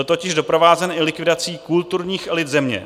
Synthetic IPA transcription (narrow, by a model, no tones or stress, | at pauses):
lt̪o̞cɪʒdo̞pɾo̞vaːzɛnɪlɪkvɪdat͡siːkult̪uɾɲiːxʔɛlɪd̪zɛmɲɛ̰